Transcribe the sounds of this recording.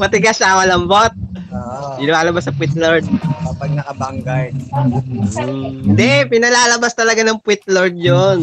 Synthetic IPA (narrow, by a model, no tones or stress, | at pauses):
mɐt̪ɪɡasaŋɐlɐmbot̪̚ː | pɪnɐlaːlɐbasɐpwɪt̪̚loɹd̪̚kɐpɐɡ̚nɐkɐbɐŋɡaj | nd̪ɛpɪnɐlaːlɐbast̪ɐlɐɡanɐŋpwɪt̪̚loɹd̪̚jon